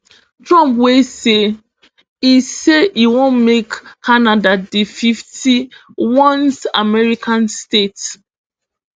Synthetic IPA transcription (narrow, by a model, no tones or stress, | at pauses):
tɹɔ̃mpwese | iseiwõnmekːʰanadadififtiwɔ̃nsa̰mɛɹikʰãnstet